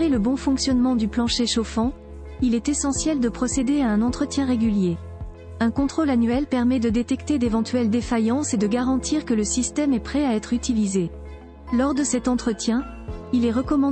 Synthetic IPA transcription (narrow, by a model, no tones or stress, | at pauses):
ʁeləbɔ̃fɔ̃ksjɔnmɑ̃d̪yplɑ̃ʃeʃofɑ̃ | ilɛt̪esɑ̃sjɛld̪əpχɔsed̪eaɛ̃nɑ̃t̪χət̪jɛ̃ʁeɡʲylje | ɛ̃kɔ̃t̪χolanɥɛlpɛʁmɛd̪əd̪et̪ɛkt̪ed̪evɑ̃t̪ɥɛld̪efajɑ̃sed̪əɡaʁɑ̃t̪ʰiʁkələsist̪ɛmɛpχɛaɛt̪χyt̪ilize | lɔʁd̪əsɛt̪ɑ̃t̪χət̪jɛ̃ | ilɛʁəkɔmɑ̃